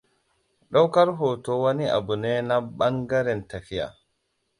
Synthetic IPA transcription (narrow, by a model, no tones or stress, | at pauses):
ɗɔwkaɾɦɔtɔwania̰bunɛnabaŋɡaɾɛntakija̰